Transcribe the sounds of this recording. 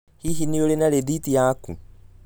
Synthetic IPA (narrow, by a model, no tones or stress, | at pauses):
hiɦiniolenaɾeditijakṵ